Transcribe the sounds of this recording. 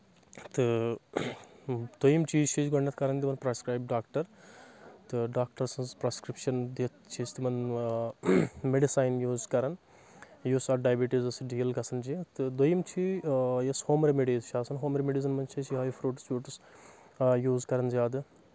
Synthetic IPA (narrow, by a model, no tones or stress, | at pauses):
t̪ɨ | d̪̥ojimt͡ʃʰiːt͡ʃʰid͡ʒɡoɳnɐt̪ʰkɐɾɐnd̪imɐnpɾɐskɾaːjb̚ɖaːk̚ʈɐɾ | t̪ɨɖaːk̚ʈɐɾsɐnzpɾɐskɾipʃɐnd̪et̪t͡ʃʰit͡ʃʰt̪ɨmɐn | meɖisaːjnjuːzkɐɾɐn | josaɖaːjbiʈizɐsɨɖiːɐlɡɐsɐnd͡ʒit̪ɨd̪ojimt͡ʃʰijɐshoːmɾemeɖiːzʃʰaːsɐnɦoːmɾemeɖizɐnmɐnt͡ʃʰisʰɦaːjifʰɾuːʈspʲuːʈɨs | juːzkɐɾɐnzʲjaːd̪ɨ